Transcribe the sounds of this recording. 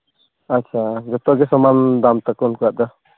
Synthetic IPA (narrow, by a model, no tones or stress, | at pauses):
atːt͡ʃʰaɡɔt̪ɔɡɛsɔmand̪amt̪akɔnkuaʔd̪a